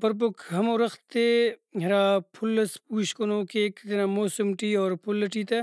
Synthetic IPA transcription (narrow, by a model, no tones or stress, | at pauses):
pɐɾp̬ʊkɦɐmõːɾɐxt̪eɦeɾaːpʰʊlːɐspuːʃkonõːkeːkt̪ɐnamoːsʊmʈiːɔːɾpʰʊlːɐʈiːt̪eː